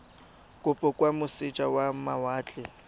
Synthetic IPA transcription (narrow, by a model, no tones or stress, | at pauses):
kʼʊpʼɔkʼwamʊsɪt͡ʃʼawamawaːt͡ɬʼɪ